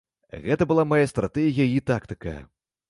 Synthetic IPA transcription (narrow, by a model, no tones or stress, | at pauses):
ɣɛt̪ɐbɨlˠamajast̪ɾʔat̪ɛɣʲijɐit̪akt̪ɨ̥kɐ̰